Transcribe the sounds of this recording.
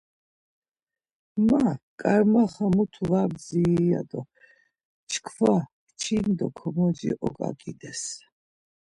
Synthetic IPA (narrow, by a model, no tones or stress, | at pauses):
makʼaɾmaχamut̪ʰuvaɾd͡zia̰d̪ɔ | t͡ʃʰkʰva | t͡ʃʰind̪ɔkʰɔmɔd͡ʒḭʔɔkʼa̰kʼid̪ɛs